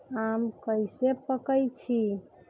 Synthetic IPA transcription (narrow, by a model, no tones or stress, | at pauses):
amkəjsepəkəjt͡ʃʰi